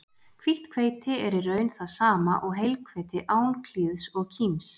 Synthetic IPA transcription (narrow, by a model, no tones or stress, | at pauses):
kʰviht̪kʰveːjt̪ɪɛɾɪrœɥnθaðsaːmaʔɔɣɦejlkʰvejt̪ɪʔaːwnkʰliðsɔɣcʰims